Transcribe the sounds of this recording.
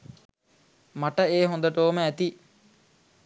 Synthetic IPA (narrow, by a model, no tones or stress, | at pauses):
maʈəeːɦond̪əʈoːməæt̪i